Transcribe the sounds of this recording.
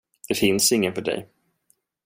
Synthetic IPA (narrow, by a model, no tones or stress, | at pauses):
d̪̥ɛfɪnsɪŋːənfœɖɛ̰j